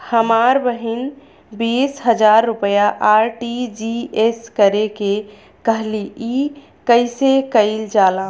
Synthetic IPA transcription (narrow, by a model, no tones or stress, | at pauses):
həmaɾbəɦin | bisɦəd͡ʒaɾːupəjaʔaɾʈid͡ʒieskəɾeke | kəɦlii | kəɪsekəɪld͡ʒalã